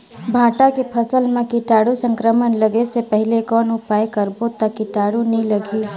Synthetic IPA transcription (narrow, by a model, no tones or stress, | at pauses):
bʱãːʈakepʰɐsəlmẽkiʈaːɽusə̃ŋkɾəmənləɡesepɛɦɪlekɔːnʊpaːekəɾbot̪akiʈaːɽunĩlɐɡʱi